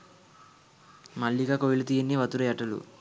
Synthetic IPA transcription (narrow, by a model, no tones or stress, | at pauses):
mɐɭːiɡaːkojilut̪iːjinːiʋɐt̪uɾuɛʈɐlṵ